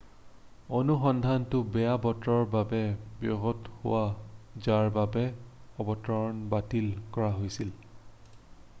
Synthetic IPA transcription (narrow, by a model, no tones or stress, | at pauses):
onuxɔndʱantʊbɛjabɔtɹɔɹbabɛbjɔ̰ɦɔthʊ̰wazaɹbabɛɔbɔtɔɹɔnbatilkɔɹaɦojsil